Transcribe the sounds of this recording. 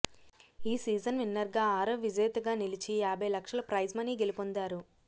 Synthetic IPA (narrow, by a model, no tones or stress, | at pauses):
iːsiːd͡ʒɐnʋinːɐɾɡaːaːɾɐʋid͡ʒeːt̪ɐɡaːnilit͡ʃijaːbʱɐjlɐkʂɐlɐpɾɐjd͡ʒmɐniːɡe̞lipond̪aːɾu